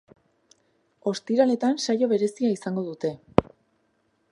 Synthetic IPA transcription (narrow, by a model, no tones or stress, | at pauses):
o̞st̪iɾale̞t̪ansajo̞β̞e̞ɾe̞siaisaŋɡo̞ðut̪e̞